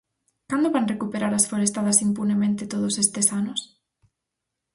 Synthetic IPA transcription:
kand̪oβanrekupeɾaɾasfoɾest̪aðasimpunemẽnt̪et̪oð̞osest̪esanos

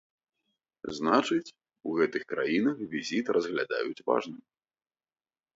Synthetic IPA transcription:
znat͡ʂɨt͡sʲ | uɣɛt̪ɨxkɾa̰jinɐxvʲizʲit̪rʔɐzɣlʲad̪a̰jut͡sʲva̰ʐnɨm

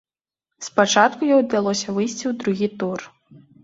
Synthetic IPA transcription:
spat͡ʂat̪kujɔjd̪alˠɔsʲɐvɨjsʲt͡sʲiwd̪ɾuɣʲit̪ur

